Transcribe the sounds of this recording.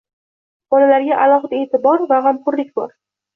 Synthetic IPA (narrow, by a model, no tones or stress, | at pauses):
bɒlalaɾɡʲaʔalˠɒɦɨd̪aet̪ɪbɒɾvaʁamqʊɾlɪk̚ʲbɒɾ